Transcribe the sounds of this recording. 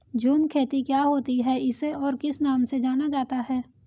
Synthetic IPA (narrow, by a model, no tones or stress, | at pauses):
d͡ʒuːnkʰeːt̪ikjaːɦoːt̪iɦɛɪseɔːɾkɪsnaːmsed͡ʒaːnad͡ʒaːt̪aɦɛː